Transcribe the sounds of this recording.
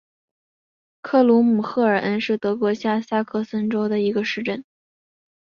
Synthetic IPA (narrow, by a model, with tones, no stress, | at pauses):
kʰɤ˥˩lu˧˥mu˨˩xɤ˥˩ə˞˨˩ʔə˥nʂɻ̩˥˩t̪ɤ˧˥kwɔ˧˥ɕja˥˩sa˥kʰɤ˥˩sə˥nʈ͡ʂo˥ʊd̪ə˨i˧˥ɡə˧ʂɻ̩˥˧ʈ͡ʂə˥˩n